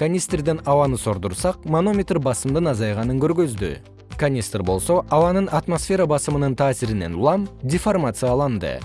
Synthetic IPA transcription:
kʰanʲist̪rd̪ɪnɑwɑnəso̞ɾd̪əɾsɑq̚mono̞mʲet̪rbɑsəmd̪ənɑzɑjʁɑnəŋkʲʰʏɾɡʲøzd̪ɪ̰ | kʰanʲist̪rbo̞lˠsoɑwɑnəɴɑt̪mosfʲe̞ɾɑbɑsəmənəɴt̪ʰɑːsɪɾɪne̞̰nʊ̰lˠɑmd̪ʲiformat̪sɨjɑlˠɑnd̪ə̰

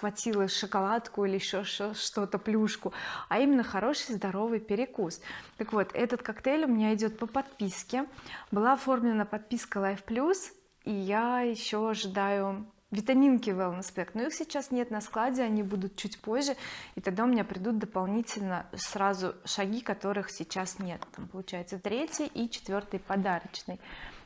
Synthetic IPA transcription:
vɐtʲilˠəʂɨkɐlˠat̪kʊilʲɪɪɕːoʂoʂt̪o̞t̪əplʲuʂkʊɐimʲɪnːəxɐɾo̞ʂɨjzd̪ɐɾo̞vɨjpʲɪɾʲɪkust̪əkvo̞t̪ɛ̰t̪ət̪kɐkt̪elʲʊmʲɪnʲaɪdʲo̞t̪̚pəpɐt̪̚pʲiskʲɪbɨlˠaɐfo̞rmlʲɪnəpɐt̪̚pʲiskəlˠajfplʲus | ijajɪɕːo̞ɐʐɨd̪ajʊ | vʲɪt̪ɐmʲinkʲɪvɛlˠnspʲɛkt̪noixsʲɪt͡ɕasnʲe̞t̪nɐsklˠadʲɪɐnʲibud̪ʊt̪̚t͡ɕutʲpo̞ʑʲʐːɨɪt̪ɐɡ̚d̪aʊmʲɪnʲapɾʲɪd̪ut̪̚d̪əpɐlˠnʲitʲɪlʲnəsɾazʊʂɐɡʲikɐt̪o̞ɾɨxsʲɪt͡ɕasnʲe̞t̪ːampəlˠʊt͡ɕæjɪt̪sət̪ɾʲetʲjəʔit͡ɕɪ̥t̪vʲo̞rt̪ɨjpɐd̪aɾət͡ɕnɨj

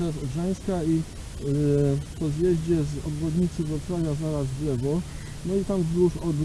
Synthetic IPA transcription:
ɛfɔʐaj̃skai | pɔzjɛʑd͡ʑɛzɔ̰bɾɔd̪ɲit̪sɘvɔt̪ɾavʲjazaɾazdlɛvɔ | nɔit̪amzd̪ɾuʂɔb

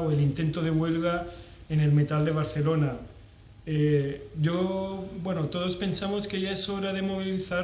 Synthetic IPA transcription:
oelint̪e̞nt̪oð̞e̞βwe̞lɣae̞ne̞lme̞t̪ald̪e̞β̞aɾθe̞lo̞na | eʝo̞bwe̞not̪o̞ð̞o̞spe̞nsamo̞skeʝaeso̞ɾaðe̞mo̞β̞iliθa

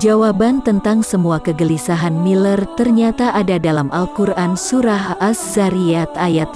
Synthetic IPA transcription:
d͡ʒawabant̪ənt̪aŋsəmuakəɡəlisaɦanmilərt̪ərɲat̪aʔadadalamʔalkuransuɾaɦaszaɾiat̪ajat̪

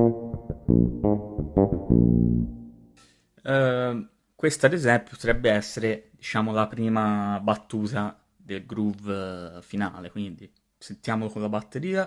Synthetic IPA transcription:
kwest̪ad̪ezɛmpe̥po̥t̪ɾɛbːeɛsːeɾed̪it͡ʃaːmolapɾiːmabat̪ːuːt̪a | d̪elɡɾuvfinaːlekwind̪i | sent̪jaːmolokõnlabat̪ːeɾiːa

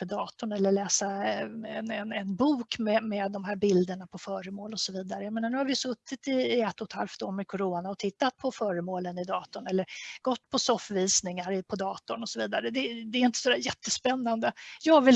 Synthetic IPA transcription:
əd̪ɑːt̪ʊɳɛlːəɭɛːsaɛnɛnɛnbuːkmɛmɛd̪ːɔmɦæːɾbɪld̪əɳapʰɔfœːɾəmoːlɔsɔviːd̪aɾəjameːnaɾɳːhaɾvɪsɵt̪ːɪt̪ɪːɛt̪ːɔt̪ʰha̰lft̪oːɾmɛkʰɔɾoːnaɔt̪ʰɪt̪ːat̪̚pʰɔfœːɾəmoːlənɪd̪ɑːt̪ʊɳɛlːəɾɡ̥ɔt̪ːpʰɔsɔfviːsnɪŋaɾɪpʰɔd̪ɑːt̪ʊɳɔsɔviːd̪aɾəd̪ɛd̪ɛɛɾɪnt̪əsɔd̪æːɾjɛt̪ʰːəspɛnːand̪əjɑːɡvɪl

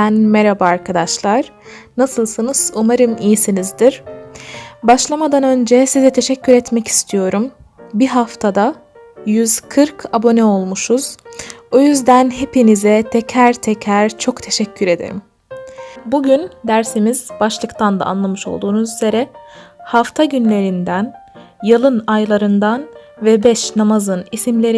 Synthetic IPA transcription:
ænmeɾabaaɾkʰad̪aʃlˠaɾ̥nasɯlˠsɯnɯz̥umaɾɯmijisinizd̪iɾ̥ | baʃlˠamad̪anø̞nd͡ʒɛsizɛt̪ʰe̞ʃɛcːyɾɛt̪mɛci̥st̪ʰijo̞ɾum | biɦaft̪ʰad̪a | jyzkʰɯɾkʰabo̞nɛo̞lˠmuʃuz̥ojyzd̪ænɦe̞pinizɛt̪ʰɛcʰæɾt̪ʰɛcʰæɾt͡ʃʰo̞kt̪ʰe̞ʃɛcʰːyɾe̞d̪ḛɾḭm | buɟynd̪æɾsimiz̥baʃlˠɯkt̪ʰand̪a̰a̰nlˠamɯʃo̞̰lˠd̪uːnuzyze̞ɾɛhaft̪ʰaɟynlʲe̞ɾind̪æn | jɯlˠɯnajlˠaɾɯnd̪anvɛbɛʃnamazɯnisimlʲe̞ɾi

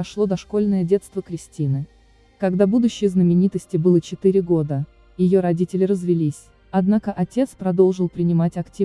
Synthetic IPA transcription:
ɐʂlˠo̞d̪ɐʂko̞lʲnəjədʲe̞t̪st̪vəkɾʲɪsʲtʲinɨ | kɐɡd̪abud̪ʊɕːɪjəznəmʲɪnʲit̪əsʲtʲɪbɨlˠət͡ɕɪt̪ɨɾʲɪɡo̞d̪ə | jɪjo̞ɾɐdʲitʲɪlʲɪɾəzvʲɪlʲisʲ | ɐd̪nakəʔɐtʲe̞t̪spɾɐd̪o̞lˠʐɨlˠpɾʲɪnʲɪmatʲɐktʲi

